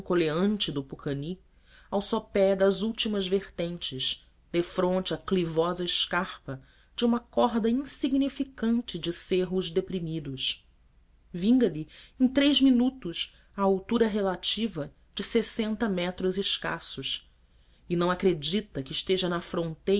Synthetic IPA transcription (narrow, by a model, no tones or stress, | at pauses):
koleɐ̃nt͡ʃɪd̪ʊpukʰɐni | awsɔpɛd̪ɐzuwt͡ʃimɐzveχt̪ẽnt͡ʃɪz | d̪efɾõnt͡ʃɪɐklivɔzɐɪʃkaχpɐ | d͡ʒɪũmɐkɔɦd̪ɐĩsiɡnifikɐ̃nt͡ʃɪd͡ʒɪseɦʊzd̪epɾimid̪ʊs | vĩŋɡɐlɪẽj̃t̪ɾejzminut̪ʊʃ | ɐawt̪uɾɐɦelat͡ʃivɐ | d͡ʒɪsesẽnt̪ɐmɛt̪ɾʊzɪʃka̰sʊʃ | ɪnɐ̃w̃akɾed͡ʒit̪ɐkɪːʃt̪eʒɐnɐfɾõnt̪e